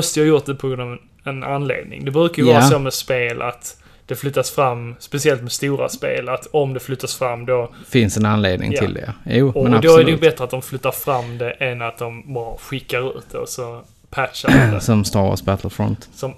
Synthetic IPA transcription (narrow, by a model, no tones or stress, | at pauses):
ɔst̪əjɑhɑːjʊt̪̚d̪ɛpʰɔɡɾɵnd̪avɛ | ɛna̰nːlḛːd̪̚nɪ̰ŋd̪ɛbɾʉ̟ːkajəvɑːɾasoːmɛspeːlʔa̰t̪ | d̪̥ɛflʏt̪ːasfɾamːspɛsɪɛlt̪mɛst̪uːɾa̰spḛːlat̪ɔmd̪ɛflʏt̪ːasfɾamːd̪ɔfɪnsɛnanleːd̪nɪ̰ŋʰɪld̪ɛ̰uːɔd̪ɔæɾɛjb̪ɛt̪ɾəat̪̚d̪ɔmflʏt̪ːaɾfɾamːd̪ɛʔɛnat̪̚d̪ɔmbɑːɾɧɪkːaɾʉ̟̰ːt̪̚d̪ɛɔ̰sɔ | pʰæt̪ʂad̪ɛ̰sɔmst̪ɑːɾɔ̰sbæt̪ʰl̩fɾɔ̰nt̪sɔm